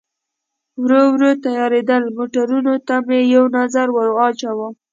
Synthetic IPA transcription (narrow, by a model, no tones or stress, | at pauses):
wɾowɾot̪ajɑɾed̪əlmoʈaɾunot̪amejawnazaɾwəɾɑt͡ʃawam